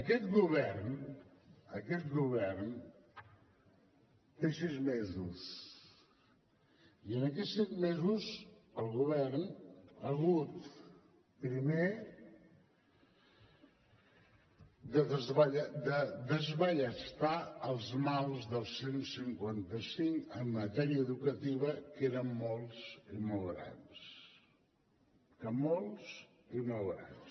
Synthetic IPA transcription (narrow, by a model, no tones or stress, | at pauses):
əkɛt̪ɣuβɛrn | əkɛt̪ɣuβɛrn | t̪esizmezus | iənəkɛsizmezuzəlˠɣuβɛrnəɣut̪ | pɾime | d̪əðəzβəʎd̪əd̪əzβəʎəst̪aəlˠzmalˠzðəlˠsensiŋkwant̪əsiŋkəmːət̪ɛɾiəːðukət̪iβ̞əkeɾəmːolˠsimolˠɣɾa̰ns | kəmolˠs | imolˠɣɾa̰ns